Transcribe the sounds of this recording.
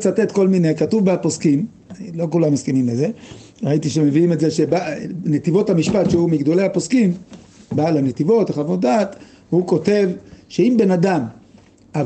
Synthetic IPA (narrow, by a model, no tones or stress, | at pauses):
t͡sate̞t̪ko̞lmine̞katuvbeapo̞skim | lo̞kulamːiskinimleze̞ʁait̪iʃeme̞viimetzeʃebanet̪ivo̞thamiʃpat̪ʃehumiɡd̪o̞lehapo̞skim | balanet̪ivo̞taχavotdat̪ | huko̞te̞vʃe̞imbe̞nadam | a